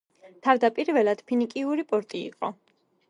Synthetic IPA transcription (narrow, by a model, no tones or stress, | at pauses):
t̪ʰavd̪apʼiɾvɛlad̪̥pʰinikʼiuɾipʼɔɾt̪ʼḭːqʼɔ